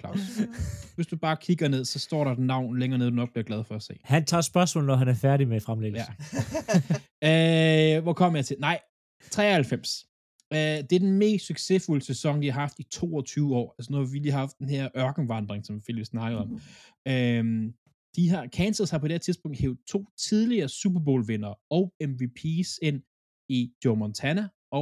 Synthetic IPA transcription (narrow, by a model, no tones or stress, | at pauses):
kʰlɑ̈ʊsʋe̝sd̥ub̥ɑ̈ːkʰiɡ̥ɐne̝ð̞̰ˠsɒ̽sd̥ɒ̰ːɾɑ̈ed̥nɑ̈ʊ̰nleŋɐneðˠdunɒɡ̚b̥liɐɡ̥lɛð̞ˠfɒ̽æse̝̰ːhænt͡sʰɑ̰̈ːsb̥ɶɐsmɔ̰ːlnɒɦænæɐfæɐɾimefʁamleɡjæ | øʋɒkʰɒ̽m̰ɐjɑ̈ɪt͡sʰe̝lnɑ̈ɪ̰ | t͡sʰʁɛ̰ːɐhælfem̰s | ød̥e̝æɐd̥enme̝̰ːsd̥syɡ̥se̝fuləsesɒ̽ŋd̥ihɑ̈hɑ̈fd̥it͡sʰo̝̰ːɒt͡sʰyːʊəɒ̰ːælsənuhɑ̈ʋiliːhɑ̈fd̥enhe̝ɐ̰ʔɶɐɡ̥n̩ʋɑ̈nd̥ʁeŋsɒ̽mfel̰isnɑ̈ɡ̥ð̩ˠɒ̽m | øm | d̥iɦɑ̈kʰænsəð̩ˠhɑ̈pʰɒ̽d̥eɐt͡sʰiðˠsb̥ɔ̽ŋ̰d̥hḛːʊð̩ˠt͡sʰo̝̰ːt͡sʰið̞ˠliɐːsub̥ɐb̥o̝̰ːlʋe̝nɐːɒ̽ʊemʋipʰiːse̝n̰ | id̥jomɒnt͡sʰænæ | ɒ̽